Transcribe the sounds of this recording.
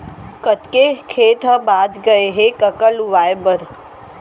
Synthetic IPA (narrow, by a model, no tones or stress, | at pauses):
kət̪kekʰet̪ʰəbad̪ɡəeɦekəkəluʋajbəɾ